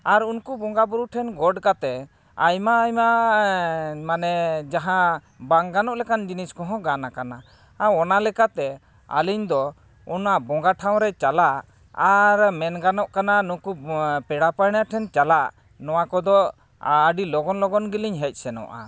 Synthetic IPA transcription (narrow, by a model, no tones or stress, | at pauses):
aɾunkubɔŋɡabuɾuʈʰɛnɡɔɖkat̪ɛ | ajmaːjma | manɛd͡ʒaɦã | baŋɡanɔʔlɛkand͡ʒiniskɔɦɔ̃ɡanakana | aɔnalɛkat̪ɛ | a̰liɲd̪ɔ | unabɔŋɡaʈʰaw̃ɾɛt͡ʃalaʔ | aɾmɛnɡanɔʔkananukupɛɽapajnjaʈʰɛnt͡ʃalaʔ | nɔwakɔd̪ɔ | aɖilɔɡɔnlɔɡɔnɡiliɲɦɛc̚ˀsɛnɔ̰ʔa̰